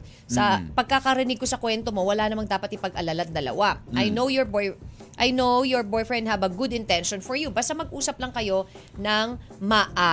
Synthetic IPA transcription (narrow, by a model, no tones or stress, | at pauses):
sɐpɐɡ̚kakɐɾɪnɪɡ̚kosɐkwɛnt̪omo̞wɐlanɐmɐŋd̪aːpɐt̪ɪpɐɡʔɐlalat̪̚d̪ɐlɐ̰waʔajnowjɔɹbjʔajnowjɔɹbojfɹɛnd̪̚hɐbɐɡʊd̪ɪ̃nt̪ɛnʃonfɔɹjubaːst̪ɐmɐɡ̚ʔuːsɐplɐŋkɐjo̞ | nɐŋmaʔa